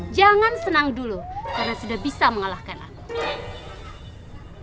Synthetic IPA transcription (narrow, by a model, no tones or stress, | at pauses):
d͡ʒaŋansənaŋdulukarnasudahbisaməŋalahkana̰